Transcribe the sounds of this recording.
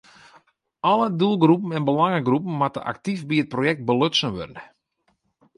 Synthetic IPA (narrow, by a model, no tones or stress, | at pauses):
ʔɔlədulˠɡrupn̩ɛnbəlaŋəɡrupn̩matə̰ʔa̰ktifbiət̚projɛk̚t̚bəløtsənʋø̰rnə